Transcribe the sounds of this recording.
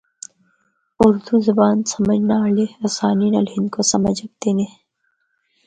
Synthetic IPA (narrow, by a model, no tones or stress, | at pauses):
ʊɾd̪uzɐbaːnsɐməd͡ʒnaleɐsaːninɐlɦɪ̃nd̪kosɐməd͡ʒɐk̚t̪enẽ